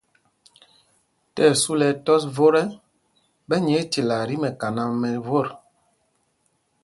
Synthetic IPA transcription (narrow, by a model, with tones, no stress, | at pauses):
tɛ˦˨su˦lɛ˨tɔ˦s̬vo˦ɾɛ˦ | bɛ˦ɲɛ˨˦te˨la˨ɾi˦mɛ˨ka˨na˦mɛ˨vo˦˨ɾ